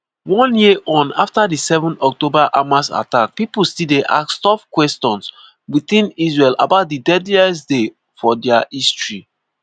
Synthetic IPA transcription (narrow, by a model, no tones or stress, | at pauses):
wɔ̃njiʔɔ̃na̰ftadisɛvɔ̃nɔk̚tobaʔamasa̰tak̚pipulstideʔa̰kstɔfkwɛstɔ̃ns | wiθĩnisɹɛla̰baʊt̚didɛdliɛsde | fɔdɛaistɹi